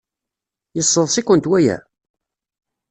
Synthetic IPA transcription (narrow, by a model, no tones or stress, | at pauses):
jəsˤːəðˤsikʷːənt̪wæjæ̰